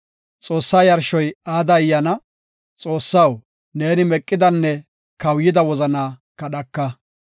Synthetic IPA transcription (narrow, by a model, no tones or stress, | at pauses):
t͡sʼo̞ːsːaːjɐɾʃɔjaːd̪ɐjːɐnɐ | t͡sʼo̞ːsːɐw | ne̞ːnɪmɛkʼːɪd̪ɐnːɛ | kɐwjɪd̪ɐwɔzɐnaːkɐɗɐkːɐ